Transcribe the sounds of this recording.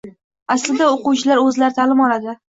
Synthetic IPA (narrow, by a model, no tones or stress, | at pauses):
aslɪd̪aoqʊwt͡ʃʰɪlaɾɵzlaɾt̪ʰalɪmɒlad̪ɪ